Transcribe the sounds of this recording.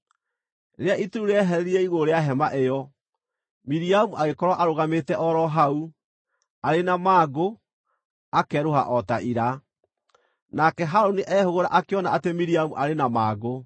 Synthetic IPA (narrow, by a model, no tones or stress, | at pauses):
ɾeaʔituɾuɾeɛɦɛɾɛɾiɾɛiɣoɾeaɦɛmaʔejɔ | miɾiamuʔaɣekɔɾwaʔaɾoɣametɛʔɔɾɔɦau | aɾenamaːɡo | akɛɾoha̰ʔɔtaʔiɾa | nakɛɦaɾoniʔɛhoɣoɾa̰ʔakeɔnaatemiɾiamuʔaɾenamaːɡo